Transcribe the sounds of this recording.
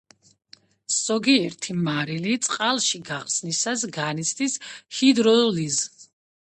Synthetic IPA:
sɔɡiɛɾt̪ʰimaɾilit̪sʼqʼalˠʃiɡaχsnisasɡanit̪sʰd̪ishid̪ɾɔliz

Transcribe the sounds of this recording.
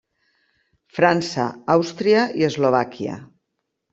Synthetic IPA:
fɾansə̰awst̪ɾiəiəzloβakiə̰

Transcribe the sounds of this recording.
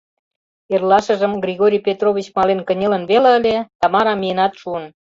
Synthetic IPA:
erlɑʃə̆ʒə̆mɡrʲiɣoɾʲijpʲet̪roβʲit͡ɕmɑlenkə̆nʲĕlə̆nβelĕəlʲet̪ɑmɑɾɑmʲijənɑt̪ʃuən

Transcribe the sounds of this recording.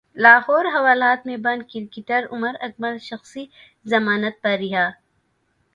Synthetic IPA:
laːɦɔːɾɦɐʋaːlaːt̪mẽbɐ̃nd̪̚kiɾkɪt̪əɾʊməɾɐk̚bɐlʃɐxsi | zɐmaːnət̪̚pɐɾːɪɦaː

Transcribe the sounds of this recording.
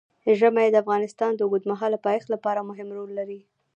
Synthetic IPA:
ʒəmajed̪əafɣɑnɪst̪ɑnd̪əɡud̪maɦɑlːapɑjxt̪lapɑɾamʊɦɪmɾolːaɾi

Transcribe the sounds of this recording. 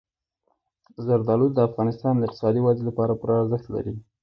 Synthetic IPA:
zaɾd̪ɑlud̪̚d̪əafɣɑnɪst̪ɑnd̪əɪqt̪ɪ̥sɑd̪iwazelapɑɾapəɾɑːɾzəxt̪la̰ɾi

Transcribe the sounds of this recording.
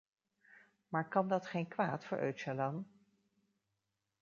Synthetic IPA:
maːɹkɑndɑtχejnkʋaːtfʊːɹʔœ̰ɥtʃalan

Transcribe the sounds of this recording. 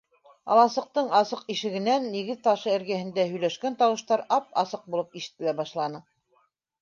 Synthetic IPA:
ɑ̰lˠɑsɤ̆q̚t̪ɤɴɑsɤqiʃɘ̆ɡɘ̆nænːiɡɘðt̪ɑʃɤɘ̆ɾɡæhɘ̆nd̪æɦɵ̆jlæʃkænt̪ɑwɤ̆ʃt̪ɑɾɑp̚ɑ̰sɤq̚bulˠɤpiʃɘ̥̆t̪ːɘ̆læbɑʃlˠɑnɤ

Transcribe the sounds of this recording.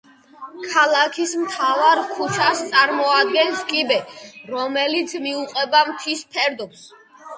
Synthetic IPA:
kʰalˠakʰismt̪ʰavaɾkʰut͡ʃʰast̪sʼaɾmɔad̪ɡɛnskʼibɛɾɔmɛlit̪sʰmiuqʼɛbamt̪ʰisp̪ʰɛɾd̪ɔms

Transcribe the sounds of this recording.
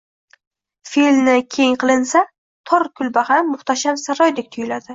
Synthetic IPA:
filmnɪkʲʰe̞ŋqʰɨlˠɪnsa | t̪ʰɒɾkʰʊlbahanːʊχt̪ʰaʃamsaɾɒjd̪e̞k̚ʲt̪ʰʊjɪlad̪ɪ

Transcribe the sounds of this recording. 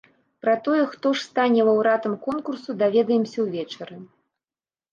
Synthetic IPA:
pɾɐt̪ɔjɛxt̪ɔʂst̪anʲɛvɐwɾat̪ɐmkɔnkursud̪avʲɛd̪ɐjɛmsʲɐwvʲɛt͡ʂɐɾɨ

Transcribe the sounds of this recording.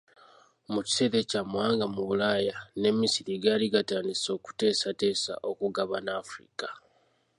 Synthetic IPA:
muci̥seɾe̞camwaːŋɡamuβulaːjane̞misiɾiɡaːliɡataːndiso̞ːku̥te̞ːsate̞ːsa̰ʔo̞kuɡaβanaːfɾḭkḁ

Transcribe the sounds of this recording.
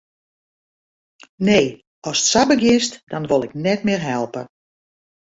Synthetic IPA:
neː | ɔsə̥tsabəɡɪstd̥ɔnʋolˠɪk̚nɛtmɪːrɦɛlˠpə

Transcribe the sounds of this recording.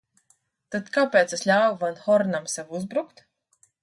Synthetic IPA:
t̪ad̪kaːpʲeːt̪seslʲaːwvanxɔɾnamsewuzbɾukt̪

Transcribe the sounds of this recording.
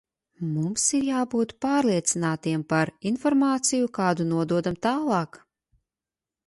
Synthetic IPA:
mumsiɾjaːbuːt̪paːɾlˠiɛt̪sinaːt̪iɛmpaɾinfɔɾmaːt̪sijukaːd̪unuɔd̪uɔd̪amt̪aːlˠɑːk

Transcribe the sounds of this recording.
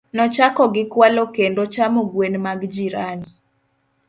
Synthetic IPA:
nɔt͡ʃakɔɡɪkwalokendot͡ʃamoɡwenmaɡd͡ʒiɾani

